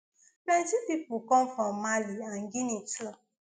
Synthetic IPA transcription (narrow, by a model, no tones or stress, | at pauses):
med͡ʒipipukɔɱfɔmaliaŋ̩ɡinit͡ʃlɔ